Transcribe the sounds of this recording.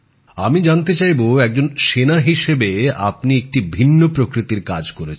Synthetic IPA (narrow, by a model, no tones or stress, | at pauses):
amid͡ʑant̪et͡ɕajboɛk̚d͡ʑonʃenaɦiʃebea̰pniek̚ʈibʱinːopɾokɾit̪iɾkad͡ʑkoɾet͡ɕʰn